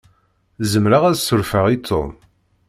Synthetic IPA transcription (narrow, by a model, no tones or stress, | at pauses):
zəmɾaʁæðsʊɾfəʁit̪ʰːo̰m